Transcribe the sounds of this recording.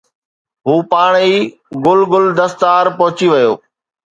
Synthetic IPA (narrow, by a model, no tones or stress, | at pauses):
ɦuːpaːɽ̃iː | ɡʊlɡʊld̪ɐst̪aːɾpɐɦʊt͡ɕiʋɐjoː